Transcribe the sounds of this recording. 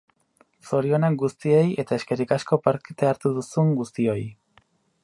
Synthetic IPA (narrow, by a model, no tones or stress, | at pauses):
so̞ɾio̞naɡust̪ie̞je̞t̪ae̞ske̞ɾikasko̞paɾkt̪eaɾt̪uðusuŋɡust̪io̞j